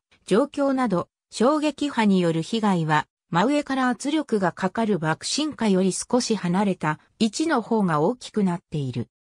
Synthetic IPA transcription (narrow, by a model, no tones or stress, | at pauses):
d͡ʑo̞ːkʲo̞ːnad̪o̞ | ɕo̞ːɡe̞kʲihaɲ̟ijo̞ɾɯ̟çiɡaiβa | maɯ̟e̞kaɾaːt͡sɨɾʲo̞kɯ̟ɡakakaɾɯ̟bakɯ̟̥ɕĩŋkajo̞ɾʲisɨ̥ko̞ɕihanaɾe̞t̪a | it͡ɕino̞ho̞ːŋao̞ːkʲi̥kɯ̟nat̪ːe̞iɾɯ̟̰